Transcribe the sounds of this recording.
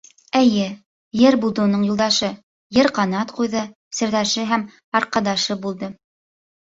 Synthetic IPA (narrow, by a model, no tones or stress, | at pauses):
ɘ̆jɘ | jɘɾbulˠd̪ɤunɤɴjulˠd̪ɑʃɤ | jɘɾqɑnɑt̪qujðɤ | sɘ̆ɾðæʃɘɦæm | ɑɾqɑd̪ɑʃɤbulˠd̪ɤ